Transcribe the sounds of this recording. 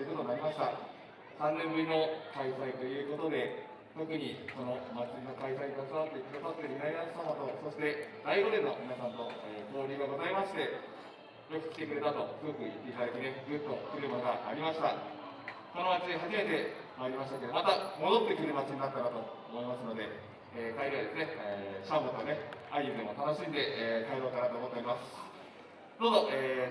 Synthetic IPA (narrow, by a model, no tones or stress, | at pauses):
ɯko̞t̪o̞nːaɾʲimaɕi̥t̪a | sãnːẽ̞mbɯ̟ɾʲino̞kaisait̪o̞jɯ̟ːko̞t̪o̞d̪e̞ | t̪o̞kɯ̟ɲ̟iko̞no̞mat͡ɕɨnokaisaik̪oasomat̪ːekʲɯɾasat̪ːemʲinainaɕi̥t̪anat̪o̞so̞ɕi̥t̪e̞d̪aiɡo̞d̪e̞no̞mʲinasãnt̪o̞ebo̞ːɾʲiːɡaɡo̞zaimaɕi̥t̪e̞ | jo̞kɯ̟̥i̥t̪e̞kɯ̟ɾe̞t̪at̪o̞kɯɯːkɯ̟it̪ːe̞it̪ad̪akineɡɯt̪ːo̞kɯ̟ɾɯ̟maɡaːɾʲimaɕi̥t̪a | ko̞no̞mat͡ɕid̪eɦaʑime̞t̪e̞ | maaɾʲimaɕ̬it̪ake̞d̪omat̪amo̞d̪o̞t̪ːe̞kɯ̟ɾɯ̟mat͡ɕiɲ̟inat̪ːaɾat̪o̞oːmo̞imasɨno̞d̪e̞ | eːkaiɾaid̪e̞sɨne̞ɕambot̪oane̞aiɯd̪e̞mo̞t̪ano̞ɕĩnd̪e̞kaiɾoːk̪aɾat̪oːmot̪ːeoɾimasɨ̥ | d̪oːzoʔeː